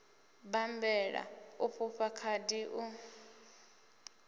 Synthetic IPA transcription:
bambɛɺa̰uɸʰuɸakʰadiʔu

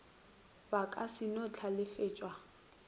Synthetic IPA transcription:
bakʼasɪnot͡ɬʰalɪfeːt͡ʃʼwa

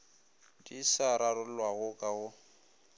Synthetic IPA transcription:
dʼisaɾarʊlwaɣʊkʼaɣʊ

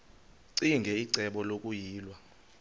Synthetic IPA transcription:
ǀiŋɡʱɛiǀɛɓɔlokʼujiːlwa

